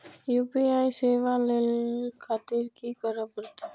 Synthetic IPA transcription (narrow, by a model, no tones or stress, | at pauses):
jupiajseʋalelkʰat̪iɾkikəɾəpəɾt̪e